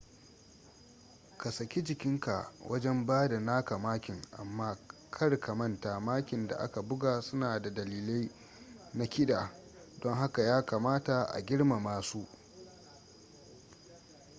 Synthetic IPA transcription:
ka˨sɐ˨kʲi˦d͡ʒɪ˨kʲɪ˦ŋka˨wʔɐ˦d͡ʒɛ˦mbaː˦da˨naː˦ka˨maː˦kʲɪ˨ŋʔa̰˨mːaː˦kʰɐ˦ɽkʰa˨mɐ˦nta˨maː˦kʲɪ˨nda̰˨ʔa̰˦ka˨bʊ˦ɡaː˨sʊ˦naː˨da˨dɐ˨liː˨le˦j | na˦kʲɪ˦ɗaː˨ | dɔ˦ŋɦa˦ka˨jaː˦kaː˨maː˦ta˨ʔa̰˨ɡʲɪ˦ɽma˨maː˨su˦ʔ

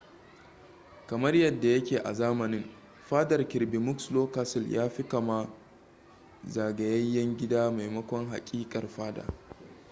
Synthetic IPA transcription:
kɐ˨mɐ˦rjɐ˨dːa˨jɐ˦kʲeː˨ʔa̰˨zaː˦mɐ˨nɪ˦ŋ | ɸaː˦dɐ˨rkʲɪ˨ɾbi˨mʊ˦ksloː˦kaː˦sɪ˨ljʔaː˦ɸɪ˦ka˨ma˦ | za˨ɡɐ˨jɐ˦jːɐ˦ŋɡʲɪ˦daː˦ma˨jmɐ˦kʷɔ˦ŋɦa̰˨kʲʼiː˦kʼɐ˨rɸaː˦da̰ː˨

